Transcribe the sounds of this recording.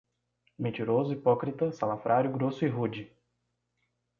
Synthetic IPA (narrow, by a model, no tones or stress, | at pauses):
mẽnt͡ʃiɾozʊipɔkɾit̪ɐsalafɾʔaɾjʊɡɾosʊiɦud͡ʒɪ